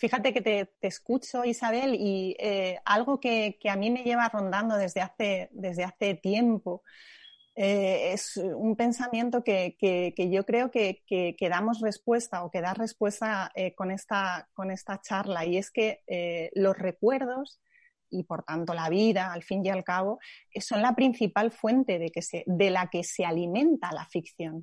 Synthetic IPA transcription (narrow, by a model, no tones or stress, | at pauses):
fixat̪e̞ke̞t̪e̞t̪eskut͡ʃo̞isaβ̞e̞liea̰lɣ̞o̞ke̞keamĩme̞ʝe̞β̞aro̞nd̪and̪o̞ðe̞zðe̞aθe̞ðe̞zðeaθe̞t̪je̞mpo̞ | ee̞sumpe̞nsamjẽ̞nt̪oke̞keke̞ʝo̞kɾe̞o̞ke̞keke̞ðamo̞zre̞spwe̞st̪ao̞ke̞ð̞are̞spwe̞st̪aeko̞ne̞st̪ako̞ne̞st̪at͡ʃaɾlaie̞ske̞elo̞zre̞kwe̞ɾð̞o̞s | ipo̞ɾt̪ant̪o̞laβ̞iðaːlfinjalkaβ̞o̞eso̞nlapɾin̟θipalfwe̞nt̪e̞ðe̞ke̞se̞ðe̞lake̞se̞alimẽ̞nt̪ala̰fik̚θjo̞n